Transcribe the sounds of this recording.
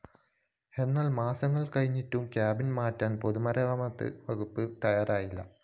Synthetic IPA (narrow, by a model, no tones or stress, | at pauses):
e̞nːaːlmaːsɐŋːɐɭkɐɻiɲːitːumkjaːbinmaːtːaːnpo̞ðumɐɾɐʋɐmɐt̪ːɨ̰ʋɐɡupːɨt̪ɐjaːɾaːjilːɐ̰